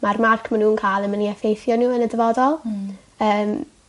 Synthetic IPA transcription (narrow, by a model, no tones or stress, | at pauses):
marmarkʰmanuːnkʰaːjlˠəməniɛfejθjɔnuːənədəvɔdɔlˠ | əːm